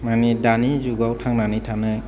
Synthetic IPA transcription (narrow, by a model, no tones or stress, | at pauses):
manidanizuɡawtʰaŋnanitʰanɯ